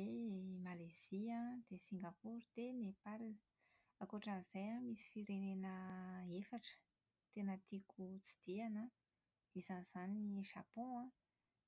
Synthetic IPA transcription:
emalaz̥iəd̪̥esiŋɡapuɾd̪enepalnə | akoʈ͡ʂanizajamisi̥fiɾenenəefaʈ͡ʂə̥ | t̪enət̪ikut͡si̥d̪̥ianə | izaniz̥aniʒapɔ̃ã

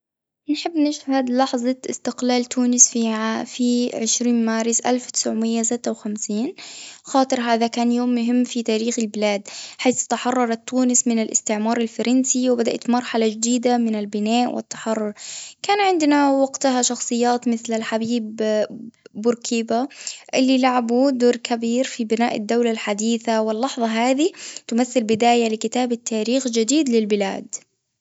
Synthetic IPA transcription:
nħɪbːnɪʃhad̪lɑħzˤɑʔɪst̪ɪqlaːlt̪ʰuːnɪsfiʕafiʕɪʃɾiːnmaːɾɪsʔa̰lfwt̪ɪ̥sʕʊmɪjːasɪt̪ːawxamsiːnxɑːt̪ˤɨɾɦaːðakaːnjoːmːʊɦɪmːfit̪aːɾiːxɪlbɪlaːd̪ħaːθt̪aħɑrˤːɑɾˤɑt̪ːuːnɪsmɪnɪlʔɪst̪ɪʕmɑːɾˤalfɑɾˤɑnsiwbad̪a̰ʔat̪mɑɾˤħalad͡ʒd̪iːd̪amɪnalbɪnaːʔwɪ̰t̪ːɑ̥ħɑrˤːʊɾkaːnʕɪnd̪nawɑɡt̪ʊɦaʃɑxsˤɨjːaːt̪mɪθlalħabiːbː | ʊɾkʰiːbaʔɪlːilaʕabud̪uːɾkʰabiːɾfibɪna̰ːʔɪd̪ːawlalħad̪iːθawɪlːɑħðˤɑɦaːðit̪ʊmaθːɪlbɪd̪aːjalɪkɪt̪aːbat̪ːaːɾiːxd͡ʒɪd̪iːd̪lɪlbɪla̰ːd̪

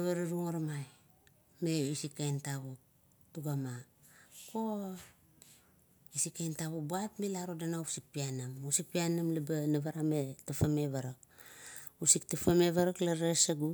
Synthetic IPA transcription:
aβaɾaɾuŋaɾmaj | meisikːajntaβok̚ | tuɡamako | isikːajntaβok̚buapmilaɾodanausik̚pianamusik̚pianamlabanaβaɾametafameβaɾak̚ | usik̚tafameβaɾaklaɾesaɡu

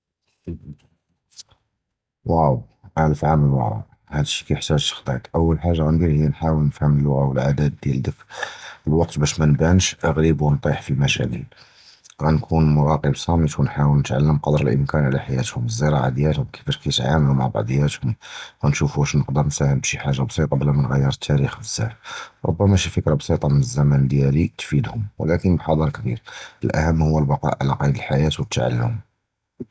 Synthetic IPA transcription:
wæw | ʔæləfʕaməlwəʕa̰ | hæd̪əʃːi̥kæjħt̪æʒt̪ə̥xt̪ˤɑt̪ʔəwːəlħaʒːaɣænbiɾhijːænħawəlnəfhəməlwʊɣawəlʕad̪æd̪ːjæld̪əkəlwɑq̚t̪bæʃmænbænʃʔəɣɾibwənt̪ˤiħfilmæʃæ̰ʔḭl | ɣænkʰunmʊɾɑqəbsˤɑmit̪wnħawəlnət̪ʕalːəmqɑd̪əɾəlʔəmkænʕlæħajæt̪hʊməzːəɾˤɑʕad̪jæt̪hʊmbki̥fəʃkæt̪ʕamluma̰ʕbɑ̰ʕd̪ˤjæt̪hʊmɣænʃufuʃnəqd̪əɾˤnfæhəmbʃiħaʒːabsˤit̪ˤɑbəlæmænɣæjːəɾˤət̪ʰːæɾixbəzːæ̰ħɾˤo̰bːæmæʃifəkɾɑbsˤit̪ˤɑmənəzːæmænd̪jælit̪fid̪hʊmw̰lækənbħɑd̪ˤɑɾˤkbḭɾəlʔæ̰həmːhʊwːəlbɑqɑ̰ʔʕlæqɑjəd̪əlħajæt̪wət̪ʰːʕa̰lːʊ̰m

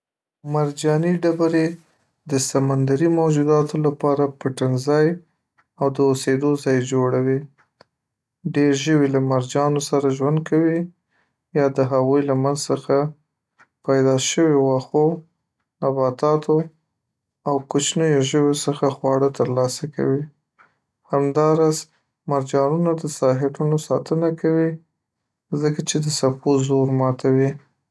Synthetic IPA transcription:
maɾd͡ʒɑniɖabaɾe | d̪əsamand̪aɾimawd͡ʒud̪ɑt̪ʰolapɑɾapəʈɪnzɑj | awd̪əosed̪ozɑjd͡ʒoɽawi | ɖeɾʒəwelamaɾd͡ʒɑnosaɾaʒwand̪̚kʰawi | jɑd̪əɦaɣujlamanzsəxa | pajd̪ɑʃəwewaxo | nabɑt̪ɑt̪o | awkot͡ʃnəjoʒəwesəxaxwɑɽət̪əɾlɑsaka̰wi | hamd̪ɑɾɑz | maɾd͡ʒɑnunad̪əsɑɦɪʈunosɑt̪ənakawi | zəkat͡ʃed̪əsapozoɾmɑt̪ʰawi

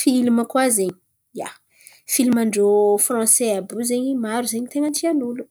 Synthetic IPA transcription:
filuməkwazeɲi̥ | ja̰ | filmaɳɖ͡ʐofrɔ̃seabuzeɲimaɾuzeɲit̪eŋəɳʈ͡ʂianulu

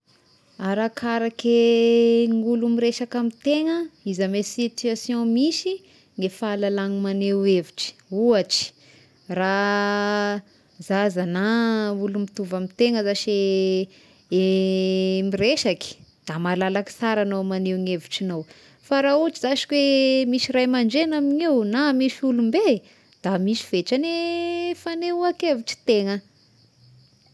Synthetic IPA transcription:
aɾakʰaɾake | ŋulumiɾeʃakamit̪eŋəizamesit̪yasjɔ̃misi | ŋefaːlalaŋimaneweviʈ͡ʂi̥uaʈ͡ʂi̥ | ra | zazanaulumit̪uvamit̪eŋəzaʃe | e | mireʃaki̥d̪̥amalalaki̥saɾanomaneŋeviʈ͡ʂinow | faɾauʈ͡ʂizaʃi̥kwemisirajmaɳɖ͡ʐenamiɲewnamiʃiulumbe | d̪̥amisi̥v̥eʈ͡ʂanefaneuakeviʈ͡ʂi̥t̪eŋə

